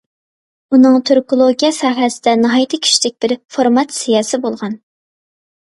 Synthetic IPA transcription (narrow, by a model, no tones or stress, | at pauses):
unɨŋt̪ʰøɾkolˠoɡʲijɑsɑːɦɛsɪd̪ɛnɨɦɑjt̪ʰɨkʲʰi̥ʃid̪ɪk̚ʲb̥ɪɾfoɾmɑt̪sijɑːsɪbolˠʁɑn